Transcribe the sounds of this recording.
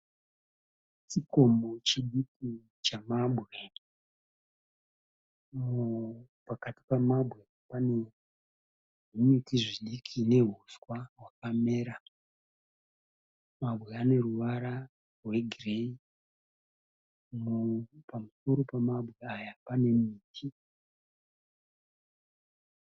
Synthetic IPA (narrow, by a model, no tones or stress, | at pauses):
tiko̞mot͡ʃiɗiki | t͡ʃamaɓʱɣe | mupakati̥pamabʱɣe̞ | pane̞ | ʐinitiʐiɗikʰine̞ɦuswaɦwakame̞ːɾa | mabɣe̞ane̞ruʋaɾa | rwe̞ɡʱirei | mupamuso̞ɾo̞pamabʱɣe̞ajapane̞miːtʰi